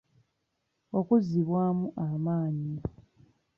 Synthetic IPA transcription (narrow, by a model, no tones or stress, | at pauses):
o̞kuziβwaːmuʔamaːɲi